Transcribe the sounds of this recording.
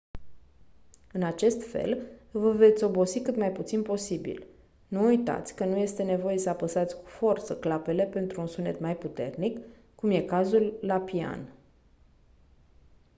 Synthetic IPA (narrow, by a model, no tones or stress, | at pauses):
ɨnat͡ʃe̞st̪fe̞̰lvəve̞t̪sʲo̞bo̞sikɨt̪majput̪sinpo̞sibḭl | nuːujt̪a̰t̪sʲkənuje̞st̪e̞ne̞vo̞je̞səapəsat̪sʲku̥fo̞rt̪səklape̞le̞pe̞nt̪ɾuːnsune̞̰t̪majput̪e̞̰rnikː | umje̞kazulːapia̰n